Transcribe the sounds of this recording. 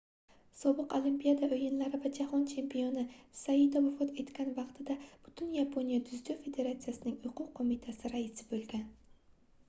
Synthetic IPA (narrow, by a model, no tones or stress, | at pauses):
sɒbɨqolˠimpijad̪aʔojɪnlaɾɪvad͡ʒahɒnt͡ʃʰe̞mpʰijonɪsaid̪avʊfɒt̪ʰe̞t̪kʲʰanvɑqt̪ʰɪd̪ab̥ʊ̥t̪ʰɪnjapʰonijad̪ʊzd̪ofe̞d̪e̞ɾat̪sɨjasɪnɪŋʊqʰʊqqʰːomit̪ʰasɪɾaɪsɪ̥bɵlˠɡʲan